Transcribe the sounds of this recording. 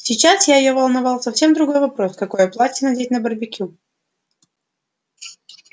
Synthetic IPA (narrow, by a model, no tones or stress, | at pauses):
sʲɪt͡ɕasjajɪjovəlˠnɐvɑlˠsɐfsʲe̞md̪ɾʊɡo̞jvɐpɾo̞skɐko̞jɐplˠatʲɪnɐdʲetʲnəbərbʲɪkʲu